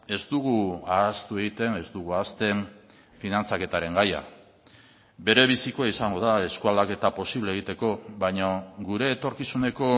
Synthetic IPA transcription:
e̞zt̪uɣ̞uaast̪ue̞ɣit̪e̞ne̞zd̪uɣ̞uaːst̪e̞ɱ | finant͡sake̞t̪aɾe̞ŋɡaja̰ | be̞ɾe̞βisikoaisaŋɡo̞ðae̞skuald̪ake̞t̪apo̞siβleɣ̞it̪e̞ko̞βajɲoɡuɾe̞ːt̪o̞ɾkisune̞ko̞

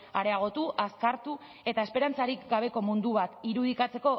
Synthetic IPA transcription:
aɾe̞aɣ̞o̞t̪uʔaskaɾt̪u | e̞t̪ae̞spe̞ɾant͡saɾikɡaβ̞e̞ko̞mund̪uβ̞at̪iɾuð̞ikat͡se̞ko̞

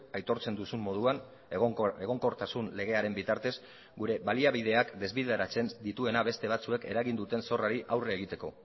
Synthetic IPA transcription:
ajt̪o̞ɾt͡se̞nd̪usumːo̞ð̞uan | eɣ̞o̞ŋko̞ɾt̪asunle̞ɣ̞e̞aɾe̞mbit̪aɾt̪e̞s | ɡuɾe̞βaliaβ̞ið̞e̞akd̪e̞zβiðe̞ɾat͡se̞nd̪it̪ue̞naβe̞st̪e̞β̞at͡sue̞ke̞̰ɾaɣind̪ut̪e̞nso̞raɾiʔawreːɣ̞it̪e̞ko̞̰

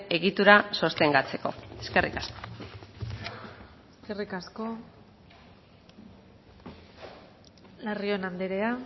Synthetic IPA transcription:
e̞ɣit̪uɾaso̞st̪e̞ŋɡat͡se̞ko̞̰e̞ske̞rʔḭkasko̞̥ | eske̞rikasko̞ | lario̞nand̪eɾe̞a

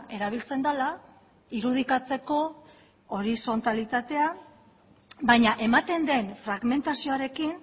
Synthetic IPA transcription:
e̞ɾaβ̞ilt͡se̞nd̪ala | iɾuð̞ikat͡se̞ko̞ | oɾiso̞nt̪alit̪at̪e̞a | bajɲaʔe̞mat̪e̞nd̪e̞nfɾaɣme̞nt̪asio̞aɾe̞kin

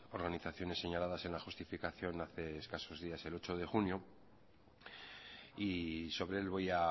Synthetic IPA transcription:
o̞ɾɣaniθaθjo̞nesːe̞ɲalaðase̞nlaxust̪ifikaθjo̞naθe̞ːskaso̞zðiase̞lo̞t͡ʃo̞ð̞e̞xunjo | iso̞β̞ɾeelβo̞ja

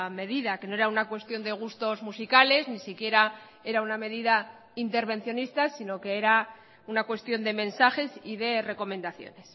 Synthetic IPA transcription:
me̞ðiðake̞noe̞ɾaunakwe̞st̪jo̞nd̪e̞ɣ̞ust̪o̞zmusikale̞znisikje̞ɾa | e̞ɾauname̞ðiða | int̪e̞ɾβ̞e̞n̟θjo̞nist̪asino̞ke̞eɾa | unakwe̞st̪jo̞nd̪e̞mẽ̞nsaxe̞siðe̞re̞ko̞mẽ̞nd̪aθjo̰nes

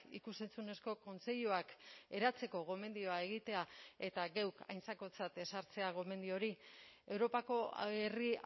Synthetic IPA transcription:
ḭkuse̞nt͡sune̞sko̞ko̞nt͡se̞ʎuake̞ɾat͡se̞ko̞ɣo̞me̞nd̪io̞ae̞ɣ̞it̪e̞ae̞t̪aɣewka̰jnt͡sako̞t͡sat̪e̞saɾt͡se̞aɣo̞me̞nd̪io̞ɾie̞wɾo̞pako̞̰eri

